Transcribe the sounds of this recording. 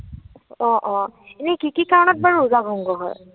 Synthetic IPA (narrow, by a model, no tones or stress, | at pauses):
ɔ̃ʔɔ̃ | enekikikaɹɔnɔt̚baɹuuzaɡʱɔŋɡɔɦɔ̰j